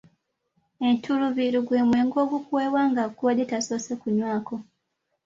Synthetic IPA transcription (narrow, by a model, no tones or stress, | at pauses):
entuluβiɾuɡweːmwe̞ːŋɡo̞ːɡukuweːβwaːŋɡakuwadetaso̞sekuɲwaːko